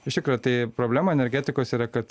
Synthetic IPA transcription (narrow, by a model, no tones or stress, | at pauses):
ɪʃt̪ʲɪkɾɐt̪ɐɪpɾoːbʲlʲæːmɐɛnʲɛɾʲɡʲæːt̪ʲɪkoːsiːɾɐkɐt̪